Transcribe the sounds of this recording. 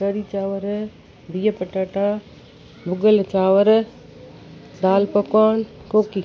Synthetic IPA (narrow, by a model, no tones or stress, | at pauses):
kɐɽiːt͡ʃaːʋəɾ | bijəpɐʈaːʈãː | bʊɡəlt͡ʃaːʋəɾ | d̪aːlpɐkaːnkoːki